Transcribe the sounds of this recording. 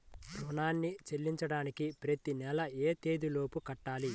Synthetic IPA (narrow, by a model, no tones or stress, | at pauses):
bɾuːnaːnːit͡ʃelːiɲt͡ʃɐɽaːnikipɾɐt̪inɛlɐeːt̪eːd̪ilo̞ːpukɐʈːaːli